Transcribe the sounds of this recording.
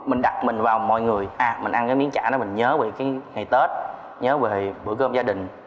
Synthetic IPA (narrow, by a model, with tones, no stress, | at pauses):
mï˨˩ŋ̟ɗa˨˩t̚mï˨˩ŋ̟vaː˨˩wmɔ̰˧˨jŋɨ˨˩əjʔaː˨˩mï˨˩ŋ̟ʔa˧nkaː˨˦mi˨˦ənt͡ɕa̰ː˧˩nɔ˨˦mï˨˩ŋ̟ɲəː˨˦ve˨˩kaː˨˦ŋa˨˩jt̪e˦˥t̚ | ɲəː˨˦ve˨˩ɓɨ̰˧˩kəː˧mzaː˧ɗï˨˩ŋ̟